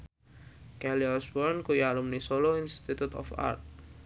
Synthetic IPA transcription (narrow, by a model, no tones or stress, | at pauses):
kɛliɔsbɔrnkujalumnisoloinst̪it̪ut̪ɔ̰fa̰rt̪̚